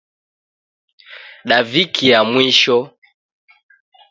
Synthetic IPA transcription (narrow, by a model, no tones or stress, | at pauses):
ɗavikʰijamwiʃɔ